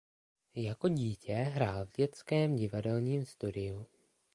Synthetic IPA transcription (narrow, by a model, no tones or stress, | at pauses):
jako̞ɟiːcɛɦɾaːlvɟɛt͡skɛːmɟɪvadɛlɲiːmst̪udɪju